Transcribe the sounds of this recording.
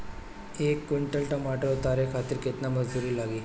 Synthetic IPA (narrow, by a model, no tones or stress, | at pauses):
ekːiɳʈəlʈəmaʈəot̪aɾekʰat̪iːɾket̪naməd͡zd̪uɾiːlaɡiː